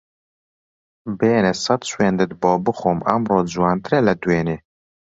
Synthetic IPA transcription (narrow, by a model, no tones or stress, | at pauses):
beːnɛsɑt̪ʃweːnd̪ɨt̪̚bɔːbɨxoːmæ̰mroːd͡ʒuwɑːnt̪ɨɾɛlɛd̪weːneː